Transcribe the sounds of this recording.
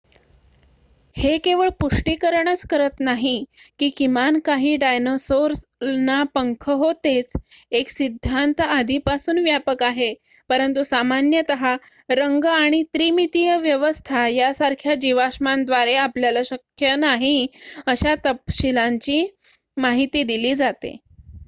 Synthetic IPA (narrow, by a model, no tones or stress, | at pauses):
hekeʋəɭpuʂʈikəɾɳət͡skəɾət̪naɦikiːkimankaɦiːɖajnosoɾsnapəŋkʰəɦot̪et͡seksid̪ʱːant̪əad̪ʱipasuːnʋjapəkaɦe | pəɾənt̪usamanjət̪əɦa | ɾəŋɡaɽ̃it̪ɾimit̪ijəʋjəʋəst̪ʰajasaɾkʰjad͡ʑiʋaʂmand̪ʋaɾeapljalaɕəkʰjənaɦiəɕat̪əpɕilaɲt͡ɕiː | maɦit̪iːd̪iliːd͡zat̪ḛ